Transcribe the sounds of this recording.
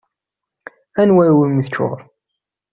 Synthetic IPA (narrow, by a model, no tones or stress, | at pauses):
ænwæɾwimiθt͡ʃːo̰ɾˤ